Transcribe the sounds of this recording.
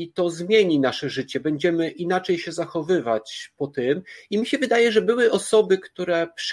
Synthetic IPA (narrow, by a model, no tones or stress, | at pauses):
it̪ɔzmʲjeɲinaʂɛʐɘt͡ɕɛbɛɲd͡ʑɛmɘʔinat͡ʂɛjɕɛzaxɔvɘvat͡ɕpɔt̪ɘmimʲiɕɛvɘd̪ajɛʐɛbɘwɘʔɔsɔbɘkt̪uɾɛpʂ